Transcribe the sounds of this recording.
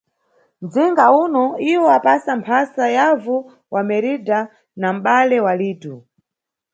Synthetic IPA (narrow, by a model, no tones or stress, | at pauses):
nd͡ziŋɡaunɔiwɔapasampʰasajavu | wamɛɾida | nam̩ɓalɛwaliːtu